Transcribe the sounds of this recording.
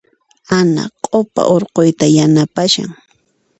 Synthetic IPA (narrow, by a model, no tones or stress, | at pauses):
ana̰qʼopa̰ʔoɾqojt̪ajanapaʃa̰ŋ